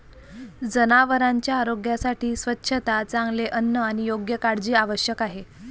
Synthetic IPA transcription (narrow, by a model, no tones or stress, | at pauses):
d͡zənaʋəɾaɲt͡ɕjaːɾoɡjasaʈʰiːsʋətːɕʰət̪at͡sãŋɡleʔənːəaɽ̃ijoɡjəkaɽd͡ʑiːaʋəɕjəkaɦe